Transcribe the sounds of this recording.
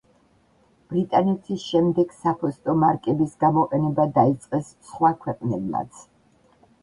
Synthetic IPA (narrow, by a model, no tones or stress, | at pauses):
b̥ɾit̪ʼanɛt̪ʰisʃɛmd̪ɛɡ̥sapʰɔst̪ʼɔmaɾkʼɛbisɡamɔqʼɛnɛbad̪ait̪sʼqʼɛssχwakʰwɛqʼnɛbla̰t̪sʰ